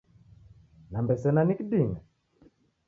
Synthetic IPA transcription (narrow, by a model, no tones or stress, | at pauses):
nambɛsɛnanikiɗiŋɡa